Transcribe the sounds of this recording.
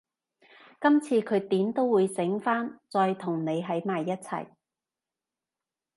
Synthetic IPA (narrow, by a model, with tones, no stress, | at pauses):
kɐ˥mt͡sʰiː˧kʰɵ˨˧ɥt̪iː˨˥mt̪o˥wwuː˨˧jsɪ˨˥ŋfaː˥nt͡sɔː˧jt̪ʰʊ˨˩ŋne˨˧jɦɐ˨˥jmaː˨jːɐ˥t̚t͡sʰɐ̰˨˩j